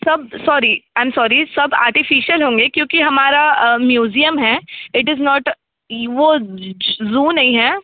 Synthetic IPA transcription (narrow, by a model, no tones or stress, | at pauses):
sɐb̚sɔːɾiãɪ̃msɔːɾisɐba̰ːɾʈɪfiːʃəlɦõːŋɡeːkjõːkiɦɐmaːɾamjuːzijəmɦɛːɪʈɪznɔːʈ | ʋo | zũːnːɐɦĩɦɛː